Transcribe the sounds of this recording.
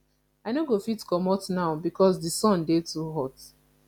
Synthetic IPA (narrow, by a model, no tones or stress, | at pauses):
aɪnoɡofitkɔmɔtnaʊbikʰɔsdisɔ̃ndetuɦɔt